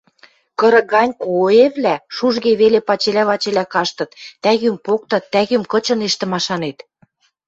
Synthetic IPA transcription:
kɤ̆ɾɤ̆ɣɑnʲkoeβlæʃuʒɣeβelepɑt͡ɕelæβɑt͡ɕelækɑʃt̪ɤ̆t̪ːæɣympok̚t̪ɤ̆t̪ːæɣymkɤ̆t͡ɕɤ̆neʃt̪ə̆mɑʃɑnet̪

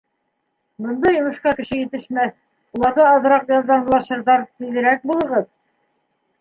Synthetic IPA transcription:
bɤ̆nd̪ɑjŏmɤ̆ʃqɑkɘ̆ʃɘjɘ̆t̪ɘ̆ʃmæθ | ulˠɑɾðɤːðɤ̆ɾɑqjɑlˠd̪ɑmlˠɑʃɤ̆ɾðɑɾt̪iðɘ̆ɾæk̚bulˠɤ̆ʁɤð

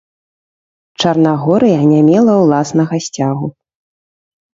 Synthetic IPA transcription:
t͡ʂɐrnaɣɔɾɨjanʲamʲɛlˠɐwlˠasnɐɣɐsʲt͡sʲaɣu

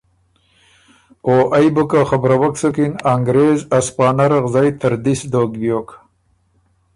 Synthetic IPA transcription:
oʔajbəkaχabɾawaksukinaŋɡɾezaspɑːnaɾaʁzɑjt̪ʰəɾd̪isd̪oɡbjoːk

